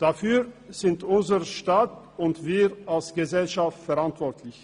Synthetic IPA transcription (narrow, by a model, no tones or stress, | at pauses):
d̥afyːɐz̥ɪntʔʊnzəʁʃtaːt | ʊntv̥iːalsɡ̥əzɛlʃaftfɛʁantv̥ɔɐtʰlɪç